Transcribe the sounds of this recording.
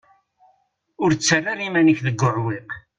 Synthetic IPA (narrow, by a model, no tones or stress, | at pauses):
ʊɾt͡sːarːaɾimænəçðəɡʷːʊʕwɪq